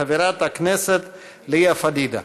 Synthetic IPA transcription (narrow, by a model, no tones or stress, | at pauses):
ɐʋiɾaːt̪ɐkʰneːset̪ | lijafɐd̪iːd̪ɐ̰